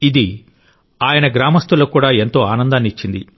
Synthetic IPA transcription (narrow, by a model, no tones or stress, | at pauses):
id̪i | aːjɐnɐɡɾaːmɐst̪ulɐkuːɽaːe̞nt̪o̞ːaːnɐnd̪aːnit͡ʃːind̪i